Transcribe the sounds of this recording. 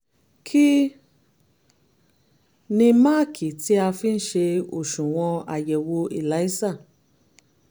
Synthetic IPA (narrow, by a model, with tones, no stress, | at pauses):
kʰi˦ | nĩ˧ma˦˨kʰi˨ti˨˦a˧fi˦n̩˦ʃe˧o˨ʃũ˨w̃ɔ̃˧a˨jɛ˨wo˧i˨la˨˦i˦sa˦˨